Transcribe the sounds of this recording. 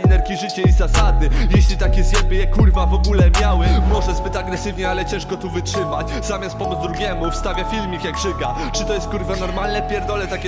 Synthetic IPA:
nɛɾkʲiʐɘt͡ɕɛizasad̪nɘjɛɕlʲit̪akʲɛzɲɛbɘjɛkuɾvavɔɡulɛmʲjawɘmɔʐɛzbɘt̪aɡɾɛsɘvɲɛalɛt͡ɕɛ̃ʂkɔt̪uvɘtʂɘmat͡ɕ | zamʲjast̪̚pɔmud̪zd̪ɾuɡʲɛmufst̪avʲjafʲilmʲikjaɡʐ̥ɘɡa | t͡ʂɘt̪ɔjɛst̪̚kuɾvanɔɾmalnɛpʲjɛɾd̪ɔlɛt̪akʲɛ

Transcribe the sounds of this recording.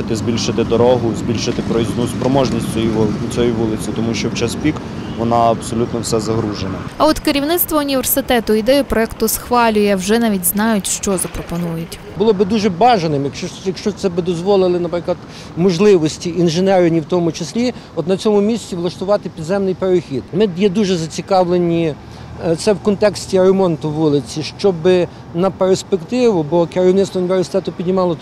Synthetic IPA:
t̪ɪzʲbʲilʲʃɪt̪ɪd̪ɔɾɔɦʊzʲbʲilʲʃɪt̪ɪpɾɔiznuspɾɔmɔʒnʲisʲt͡sʲɔjit͡sʲɔjiʋulˠɪt͡sʲit̪ɔmuʃt͡ʃɔwt͡ʃɐspʲik | ʋɔnɑɐbsɔlʲut̪nɔwsɛzɐɦɾuʒenɐɐɔt̪kɪɾʲiwnɪt̪st̪ʋɐʊnʲiʋʲersɪt̪ɛt̪ʊid̪ɛjʊpɾɔɛkt̪ʊsxʋɑlʲʊjɛwʒɛnɑʋʲitʲznɑjʊtʲʃt͡ʃɔzɐpɾɔpɔnujʊtʲ | bʊlˠɔbɪd̪uʒɛbɑʒɐnɪmjɐkɔjɐkʃt͡ʃɔt̪sɛbɪd̪ɔzʋɔlˠɪlˠɪnɐpɾɪklˠɐd̪ | mɔʒlˠɪʋɔsʲtʲiʔinʒenɛɾɪnʲiwt̪ɔmʊt͡ʃɪsʲlʲiɔt̪nɐt͡sʲɔmʊmʲisʲtʲiʋlˠɐʃt̪ʊʋɑt̪ɪpʲid̪zɛmnɪjpeɾɪxʲid̪mɪjɛd̪uʒɛzɐt͡sʲikɑʋlˠenʲi | t̪sɛwkɔnt̪ɛksʲtʲiɾemɔnt̪ʊʋulˠɪt͡sʲiʃt͡ʃɔbɪ | nɐpeɾspekt̪ɪʋʊbɔkeɾɪwnɪt̪st̪ʋɐʊnʲiʋʲersʲɪ̥t̪ɛt̪ʊpʲidʲnʲɪmɑlˠɔ

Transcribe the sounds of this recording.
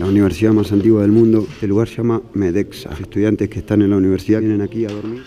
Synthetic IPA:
launiβ̞eɾsiðamasant̪iɣwað̞e̞lmũnd̪o̞elːuɣaɾsʒamameðeksa̰est̪uðjant̪e̞skest̪anenlauniβ̞eɾsiðanenakiaðo̞ɾmiɾ

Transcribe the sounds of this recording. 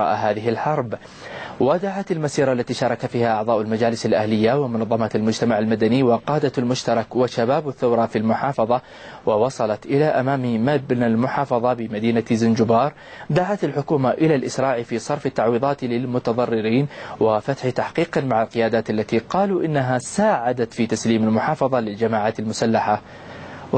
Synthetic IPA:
ɑ̰ːʔaɦaːðɪɦɪlħɑɾˤb | wad̪aʕat̪almasiːɾˤɑʔlːat̪iːʃɑːɾˤɑkafiːhaʔɑʕðˤɑːʔʊlmad͡ʒaːlɪsalʔahlɪjːawɪmʊnɑðˤːɑmat̪almʊd͡ʒt̪amaʕalmad̪aniwɪqɑːd̪almʊʃt̪ɑɾˤɑkwaʃabaːbaθːawɾˤɑfilmʊħɑːfɑðˤɑ | wɪwɑsˤɑlɑt̪ʔɪlaʔamaːmimabnalmʊħɑːfɑðˤɑbɪmad̪iːnazɪnd͡ʒʊbɑːɾˤd̪aʕat̪alħʊkuːmaʔɪlalʔɪsɾˤɑːʕifisˤɑɾˤfat̪ːaʕwiːðˤɑːt̪lɪlmʊt̪ɑðˤɑrːɪɾiːnwɪfat̪ħit̪aħqiːqmaʕalqɪjaːd̪aːt̪alːat̪iqɑːluʔɪnːaɦasaːʕad̪at̪fit̪asliːmalmʊħɑːfɑðˤɑlɪld͡ʒamaːʕaːt̪almʊsalːaħa

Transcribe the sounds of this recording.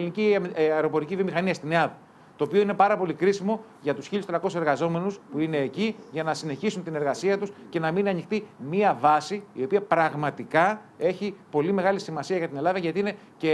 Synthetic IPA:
liniciɐeɾo̞po̞ɾicivio̞mixɐniɐst̪ineɐðɐ | t̪o̞ːpio̞ine̞pɐɾɐpo̞likɾisimo̞ | ʝɐt̪usçiʎust̪ɾɐko̞sse̞ɾɣɐzo̞me̞nuspuine̞ːciʝɐnɐsine̞çisunt̪ine̞ɾɣɐsiɐt̪usce̞nɐminɐnixt̪imiɐvɐsiːio̞piɐpɾɐɣmɐt̪ikɐ | e̞çipo̞lime̞ɣɐlisimɐsiɐʝɐt̪ine̞lɐðɐʝɐt̪iine̞ | ce

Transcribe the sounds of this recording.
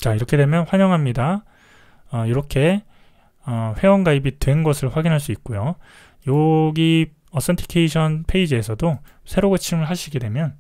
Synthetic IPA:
t͡ɕaiɾʌkʰe̞de̞mjʌnɸwaɲʌŋɦamɲida | ʌiɾʌkʰe̞ | ʌɸwe̞ʌnɡaibitwe̞nɡʌsʰɯɭɸwaɡinɦaɭs̬͈uik̚k͈ojo | joɡi | ʌs͈ʌntʰi̥kʰeiɕʰʌnpʰe̞id͡ʑɯe̞sʰʌdosʰe̞ɾoɡɯt͡ɕʰimɯɭɦaɕʰiɡe̞dwe̞mjʌn

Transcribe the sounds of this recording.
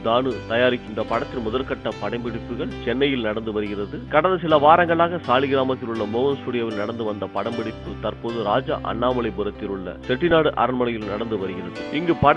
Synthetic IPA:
d̪aːnɯt̪ɐjaːɾɪkːɪnd̪rɐpɐɽɐt̪ːɪlmʊðɐlkɐʈːɐpɐɽɐɪmbɪɽɪpːɯɣɐɭt͡ʃɛnːɐjɪlnɐɽɐnd̪ɯʋɐɾɯɣɪrɐðɯkɐɽɐnd̪ɐs̬ɪlɐʋaːɾɐŋɡɐɭaːɣɐsaːlɪɣɪɾaːmɐt̪ːɪlɯɭːɐmoːɣɐnsuːɽɪjɐʋɪlnɐɽɐnd̪ɯʋɐnd̪ɐpɐɽɐmbɪɽɪpːɯt̪ɐɾpoːðɯɾaːd͡ʒɐ̰ʔɐ̰ɳːaːmɐɭɐɪbɯɾɐt̪ːɪlɯɭːɐ̰sɛʈːɪnaːɽɯʔɐ̰ɾɐnmɐnɐjɪlnɐɽɐnd̪ɯʋɐɾɯɣɪrɐðɯɪŋɡɯpɐ

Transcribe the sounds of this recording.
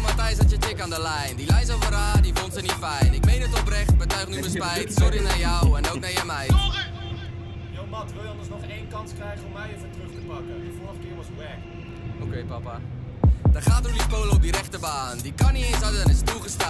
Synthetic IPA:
mɐtɛjs̬ətjət͡ʃɛkaːndəlɛjndilɛjs̬əlˠfəɾaːdifɔntsənitfɛjnɪk̚mejnətɔprɛχt̚bətœɥχnybəspɛjtsɔrinajɔwɛnowk̚najəmɛj | jomɑtʋɪlˠjəɑndərsnɔχeːnkɑnskrɛjχəɔmːɛjəfətruχtəpɑkəəfɔrχkɪːɹʋɔsbɛk | okejpɐpa | dətχaːtudispowləɔp̚diɾɛχtəbaːndikɐniensɐtənɪstuχəstaː

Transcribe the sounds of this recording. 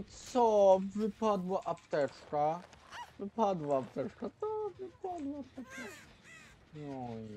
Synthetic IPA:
sɔvɨpad̪waʔapt̪ɛt͡ʂkavɨpad̪waːpt̪ɛt͡ʂkat̪ɔvɨpad̪wat̪ɔp̪ɛka | nɔj

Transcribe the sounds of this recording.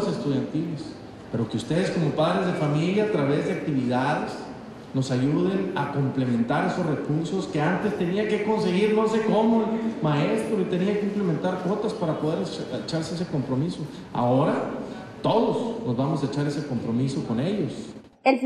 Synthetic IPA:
sest̪uðjant̪iles | pe̞ɾo̞keust̪e̞ð̞e̞sko̞mo̞paðɾe̞zðe̞familjaːt̪ɾaβe̞zðe̞ak̚t̪iβiðaðes | no̞saʝuð̞e̞nako̞mple̞mẽ̞nt̪aɾe̞so̞sre̞kuɾso̞ske̞ant̪e̞st̪e̞niake̞ko̞nse̞ɣiɾnoɾs̬eko̞momae̞st̪ɾo̞it̪e̞niakeimple̞ment̪aɾkwo̞t̪aspaɾapo̞ð̞e̞ɾet͡ʃaɾseese̞ko̞mpɾomiso̞ | a̰o̞ɾa | t̪o̞ðosno̞zβamo̞saet͡ʃaɾe̞seko̞mpɾo̞miso̞ko̞ne̞ʝos | el

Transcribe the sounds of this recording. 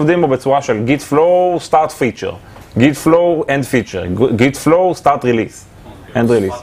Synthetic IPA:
vd̪ĩmobet͡ssuaʃelɡitflostaʁt̪fit͡ʃɛ̰ʁ | ɡitfloɛ̃ndfit͡ʃḛʁɡitflostaʁt̪ʁilis | ɛ̃ndʁilis

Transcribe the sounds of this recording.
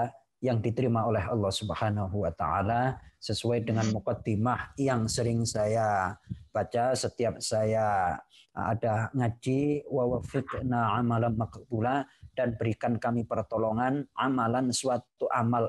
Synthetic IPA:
jaŋdit̪əɾimaolɛɦɑ̰lːɑhsubəhanaɦuwat̪a̰ʕa̰lasəsuajdəŋanmukɔd̪imahjaŋsəɾɪŋsajab̥at͡ʃasət̪iap̚saja | a̰daŋad͡ʒiwawafɪknaʕamalanmaqbulad̥anbəɾikankamipərt̪oloŋanʔamalansuwat̪uʔamal

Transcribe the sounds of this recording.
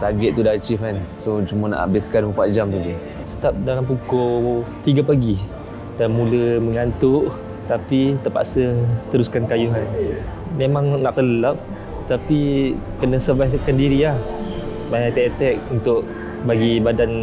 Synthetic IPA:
t̪aɡɛʔ̪̚t̪ːudat͡ʃifansot͡ʃumana̰ʔa̰bɪskandupat̪̚d͡ʒamt̪udi | sə̥t̪ap̚dalampukɔt̪iɡapaɡi | danmuləməŋant̪ʊʔ | t̪apit̪əpa̰ʔsət̪əɾuskankajuɦan | memaŋnaʔt̪ələlap̚ | t̪apikənəsəvajkandiɾilah | maat̪ɛʔt̪ɛk̚unt̪ʊʔ | baɡibadan

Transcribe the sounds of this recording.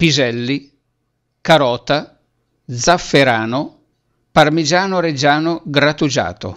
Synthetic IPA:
pizɛlːi | kaɾɔːt̪a | d̪zafːeɾaːno | parmid͡ʒaːnoɾed͡ʒaːnoɡɾat̪ud͡ʒa̰ːt̪o̰

